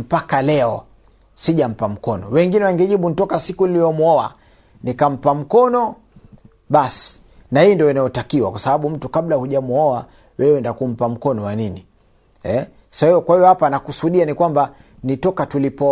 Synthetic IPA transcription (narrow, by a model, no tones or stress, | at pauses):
m̩pakalɛɔ | siʄam̩pam̩kɔnɔ̰wɛŋɡinɛwaŋɡɛʄiɓuntɔkasikuniliɔmuɔa̰ | nikam̩pam̩kɔnɔ | ɓasi̥ | nahiːndiɔinajɔtakiwa̰kwasaɓaɓum̩tukaɓlahuʄamuɔa | wɛwɛndakum̩pam̩kɔnɔwanini | ɛ | saiɔkwahijɔhapanakusuɗianikwamba | nitɔkatulipɔ